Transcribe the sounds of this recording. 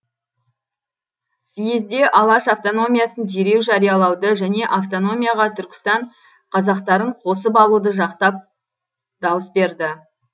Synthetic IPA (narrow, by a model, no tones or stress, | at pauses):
sijezd̪e̞ʔɑlˠɑʃaft̪o̞no̞mʲijɑsənd̪eɾe̞wʒɑɾijɑlˠɑwd̪əʒæne̞ʔaft̪o̞no̞mʲijɑʁɑt̪ʰʏɾkʲɪ̥st̪ɑɴ | qʰɑzɑqt̪ɑɾəɴqʰo̞səp̬ɑlˠud̪əʒɑqt̪ɑp̚ | d̪ɑwəsbe̞ɾd̪ɪ